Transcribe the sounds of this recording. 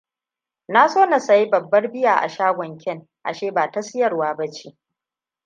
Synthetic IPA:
na˦soː˦na˨sɐ˨ji˦bɐ˨bːɐ˦rbɪ˦jaː˨ʔa̰˨ʃaː˦ɡʷɔ˨ŋkʲɛ˦˨ŋ | ʔa̰˨ʃeː˦˨baː˨ta˦sɪ˦jɐ˨rwaː˦bɐ˦t͡ʃeː˦

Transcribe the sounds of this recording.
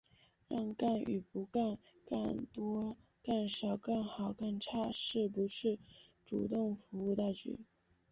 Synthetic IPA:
ɻɑ̰˥˧ŋka˥˩ny̰˨˩pu˧˥ka˥˧n | ka˥˩nt̪wɔ˥ | ka˥˩nʂɑ˨˩ʊkə˥˩nxɑ˨˩ʊkə˥˧nʈ͡ʂʰa˥˧ʂɻ̩˥˩pu˧˥ʂʰɻ̩˥˩ʈ͡ʂṵ˨˩t̪ʊ˥˩ŋfu˧˥u˥˧t̪a˥˩ɪt͡ɕy̰˧˥˦

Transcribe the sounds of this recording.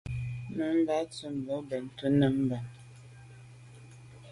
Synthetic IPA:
nə˨˦m̩˦ba˦t͡sə˦m˨bo˨˦bɛ˨n̩˨tu˦nə˨m̩˦ba˨

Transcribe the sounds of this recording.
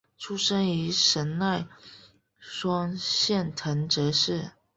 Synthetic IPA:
ʈ͡ʂʰu˥ʂə˥ny˧˥ʂə˧˥nla˥˩ɪ | ʂwɑ˥ŋɕjɛ˥˩nt̪ʰə˧˥ŋʈ͡ʂɤ˧˥ʂɻ̩˥˩

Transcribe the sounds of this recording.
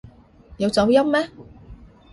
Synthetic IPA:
jɐ˨˧wt͡sɐ˨˧˥wjɐ˥mmɛː˥

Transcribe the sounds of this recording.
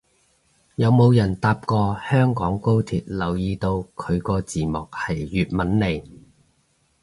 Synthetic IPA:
jɐ˨˧wmo˨˧wjɐ˨˩nt̪aː˧p̚kɔː˧hœː˥ŋkɔː˨˥ŋko˥wt̪ʰḭː˨t̚lɐ˨˩wjiː˧t̪o˧wkʰɵ˨˧ɥkɔː˧t͡siː˨˩mɔ˨k̚hɐ˨˩jːyː˨t̚mɐ˨˥nle˨˧j

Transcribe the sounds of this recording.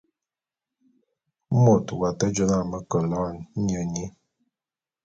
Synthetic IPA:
mo˨twa˨tə˦d͡ʒə˦na˦˨mə˦kə˨lɔ˦˨n̩˦ɲə˨ɲi˦

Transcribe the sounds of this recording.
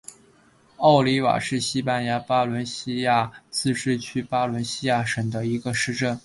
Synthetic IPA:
ɑ˥˩ʊli˧˥wa̰˨˩ʂɻ̩˥˩ɕi˥pa˥˩nja˧˥pa˥lwə˧˥nɕi˥ja˥˩t͡sɹ̩˥˧ʈ͡ʂɻ̩˥˧t͡ɕʰy˥pa˥lwə˧˥nɕi˥ja˥˩ʂə˨˩ŋd̪ə˦i˧˥ɡə˧ʂɻ̩˥˧ʈ͡ʂə˥˩n

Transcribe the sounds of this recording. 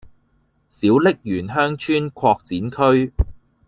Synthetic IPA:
siː˨˥wlɪ˥k̚jyː˨˩nɦœː˥ŋt͡ʃʰyː˥nkʰɔː˧k̚t͡siː˨˥nkʰɵ˥ɥ

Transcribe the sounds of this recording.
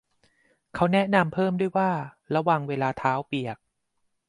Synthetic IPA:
kʰa˦˥wnɛ˦˥ʔna˧mpʰɤː˥˩mdu˥˩əjwaː˥˩ | ɾa˧waː˨˩ŋweː˧laː˧t̪ʰaː˦˥wpi˨˩ək̚

